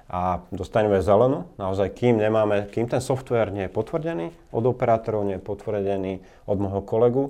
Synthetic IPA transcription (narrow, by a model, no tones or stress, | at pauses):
ʔad̪ɔst̪aɲɛmɛzɛlɛnunaɔzajkiːmɲɛmaːmɛkiːmt̪ɛnsɔft̪ʋɛːɾɲɪɛjɛpɔt̪ʋr̩ɟɛniː | ʔɔ̰d̪ɔpɛɾaːt̪ɔɾɔʊɲɛjɛpɔt̪ʋr̩ɟɛniː | ɔd̪mɔjɦɔkɔlɛɡu